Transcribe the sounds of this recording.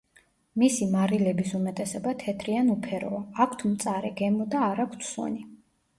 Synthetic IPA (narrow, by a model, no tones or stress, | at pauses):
misimaɾilɛbisumɛt̪ʼɛsɛbat̪ʰɛt̪ʰɾianupʰɛɾɔ̰aːkʰt̪ʰmt̪sʼaɾɛɡɛmɔd̪aːɾakʰt̪ʰsɔ̰ni